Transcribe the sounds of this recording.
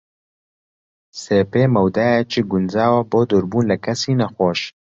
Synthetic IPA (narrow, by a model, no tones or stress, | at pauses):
seːpeːmɐwd̪aːjɛt͡ʃʰiɡʊnzaːwɐboːd̪oɾbuːnlɛkʰɐsiːnɐxʷoːʃ